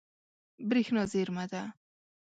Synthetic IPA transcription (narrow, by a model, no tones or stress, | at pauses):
bɾixnɔzeɾmad̪a